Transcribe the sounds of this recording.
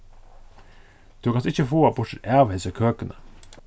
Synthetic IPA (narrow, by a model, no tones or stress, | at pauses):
d̪̥ʉːkʰɑnsɪçəfoːɑbʊʂəɾæːʋhesəkʰøːkənə